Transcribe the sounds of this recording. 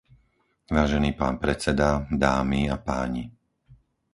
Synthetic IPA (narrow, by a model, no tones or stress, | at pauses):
ʋaːʒɛniːpaːnpɾɛt͡sɛd̪ad̪aːmiapaːɲi